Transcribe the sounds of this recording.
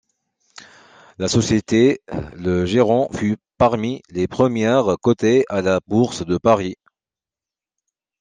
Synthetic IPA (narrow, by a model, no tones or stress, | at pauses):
lasɔsjet̪eləʒeʁɑ̃fypaʁmilepχəmjɛʁkɔt̪ealabuʁsd̪əpaʁi